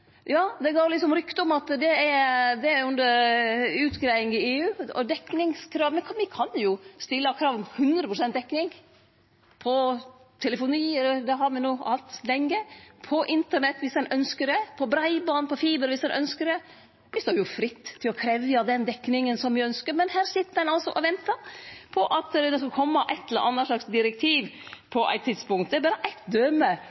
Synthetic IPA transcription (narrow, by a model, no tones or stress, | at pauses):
jɑːd̪ɛɡoːɾlɪt̪sɔmɾʏkt̪ɔmɑt̪d̪ɛɛɾd̪ɛæʉnd̪əɾʉːt̪ɡɾæɪɪŋɪeːʉːɔd̪ɛkːnɪŋskʰɾɑːʋmɛnkʰʋɪkʰɑnjʊst̪ɪlːɑkʰɾɑːʋɔmhʉnd̪ɾəpʰɾʊsɛnt̪̚d̪ɛkːnɪŋ | pʰɔ | t̪ʰɛləfʊniːɛləd̪ɛɦɑɾmɪnuːɑlt̪lɛŋːəpʰɔʔɪnt̪əɳɛt̪ːʋɪsɛnœnskəd̪ɛpʰɔbɾæɪbɑnpʰɔfiːbəɾʋɪsɛnʔœnskəɾɛ | ʋɪst̪oːjʊfɾɪt̪ːtʰːɪlɔkʰɾɛʋjɑd̪ɛnd̪ɛkːnɪŋənsɔmʋɪœnskəɾmɛnhæːɾʂɪt̪ːəd̪ɛnɑlsɔʔɔʋɛnt̪ɑɾpʰɔʔɑt̪d̪ɛskɑlkʰɔmːəʔɛt̪ːɛləɾʔɑnːəʂɭɑksd̪ɪɾɛk̚t̪ʰiːʋpʰɔʔæ̰ɪt̪ʰːɪd̪spʊŋkt̪d̪ɛbæːɾəʔæɪt̪d̪œːmə